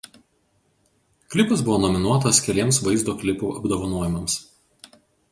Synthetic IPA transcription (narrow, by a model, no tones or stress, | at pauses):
klʲɪpɐsbʊʋoːnɔmʲɪnuɔt̪ɐskʲɛlʲiɛmsʋɐɪzd̪oːklʲɪpuːɐbd̪oːʋɐnuɔjɪmɐms